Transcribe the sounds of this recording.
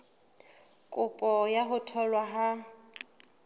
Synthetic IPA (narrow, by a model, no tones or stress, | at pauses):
kʼʊpʼɔjaɦʊtʰɔlwaɦa